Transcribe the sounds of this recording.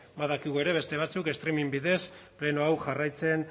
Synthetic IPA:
baðakiɣue̞ɾe̞βe̞st̪e̞β̞at͡suke̞st̪ɾimimbiðe̞sple̞noawʝarajt͡se̞n

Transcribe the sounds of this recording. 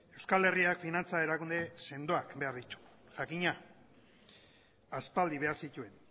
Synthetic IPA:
e̞wskale̞riakfinant͡sae̞ɾakund̪e̞se̞nd̪o̞akbe̞aɾðit̪u̥ | ʝakiɲa | aspald̪iβ̞e̞aɾsit̪ue̞n

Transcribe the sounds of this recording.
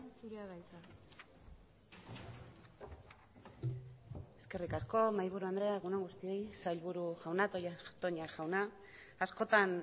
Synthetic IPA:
suɾeaɣajt̪a | e̞ske̞rikasko̞majβ̞uɾuand̪ɾe̞aɣunaŋɡust̪ie̞jsajʎβuɾuxawnat̪ot̪o̞ɲaʝawnaː | sko̞t̪an

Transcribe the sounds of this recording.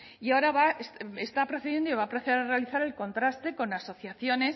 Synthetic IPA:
iao̞ɾaβaesest̪apɾoθeðje̞nd̪oiβaːpɾoθeeɾarealiθaɾe̞lko̞nt̪ɾast̪e̞ko̞naso̞θjaθjo̞ne̞s

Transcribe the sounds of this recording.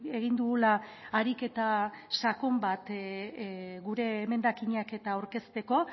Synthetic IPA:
e̞ɣind̪uɣulaːɾike̞t̪asakombat̪ | ɣuɾe̞me̞nd̪akiɲake̞t̪aːwɾke̞st̪e̞ko̞

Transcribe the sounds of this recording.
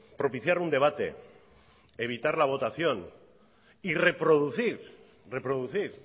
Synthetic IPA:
pɾo̞piθjaɾund̪e̞β̞at̪ḛ | eβ̞it̪aɾlaβ̞o̞t̪aθjon | ire̞pɾoðuθiɾ | re̞pɾoð̞uθiɾ

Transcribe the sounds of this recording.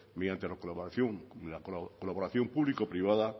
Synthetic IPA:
meðjant̪elakolθjoŋlakkolaβoɾaθjompuβlikopɾiβ̞aða

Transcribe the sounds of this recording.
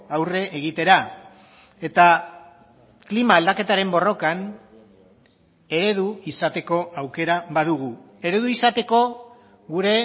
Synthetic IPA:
awre̞ʔeɣit̪e̞ɾa | e̞t̪a | klimaːld̪ake̞t̪aɾe̞mbo̞ro̞kan | e̞ɾe̞ð̞uisat̪e̞ko̞ʔawke̞ɾaβað̞uɣ̞u | e̞ɾe̞ðuisat̪e̞ko̞ | ɣuɾe̞

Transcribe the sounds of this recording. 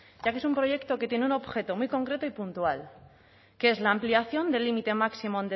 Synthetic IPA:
ɟ͡ʝakeesumpɾo̞ʝe̞kt̪o̞ket̪je̞neunoβxe̞t̪o̞mujko̞ŋkɾe̞t̪oipunt̪ual | kee̞zlaːmpliaθjo̞nd̪e̞limit̪e̞maksimond̪e

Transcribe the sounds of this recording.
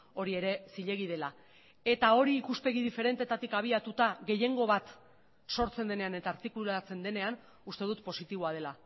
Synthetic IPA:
o̞ɾie̞ɾe̞siʎe̞ɣ̞iðe̞la | e̞t̪ao̞ɾiːkuspe̞ɣ̞iðife̞ɾe̞nt̪et̪at̪ikaβ̞iat̪ut̪aɣe̞je̞ŋɡo̞βat̪ | so̞ɾt͡se̞nd̪e̞ne̞ane̞t̪aːɾt̪ikulat͡se̞nd̪e̞ne̞an | ust̪e̞ð̞ut̪po̞sit̪iβ̞o̞að̞e̞la

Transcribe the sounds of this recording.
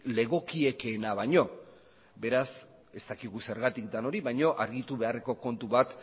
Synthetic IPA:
le̞ɣo̞kie̞ke̞naβajɲo̞ | be̞ɾas | e̞st̪akiɣuse̞ɾɣat̪ik̚d̪ano̞ɾiβajɲo̞ʔaɾɣit̪uβe̞are̞ko̞ko̞nt̪uβat̪

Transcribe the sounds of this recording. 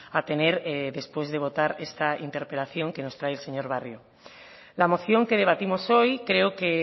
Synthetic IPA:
at̪e̞neɾðe̞spwe̞zðe̞β̞o̞t̪aɾest̪aḭnt̪e̞ɾpelaθjo̞ŋkenost̪ɾaeelseɲoɾβ̞arjo | lamo̞θjo̞ŋkeð̞e̞β̞at̪imosojkɾeoke

